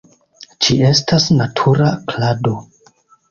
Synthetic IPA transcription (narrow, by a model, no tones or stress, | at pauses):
t͡ʃie̞stasnatʰuɾaklado̞